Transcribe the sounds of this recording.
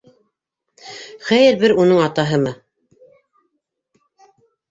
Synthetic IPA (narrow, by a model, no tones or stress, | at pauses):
χæjɘɾbɘɾunɤɴɑt̪ɑɦɤmɤ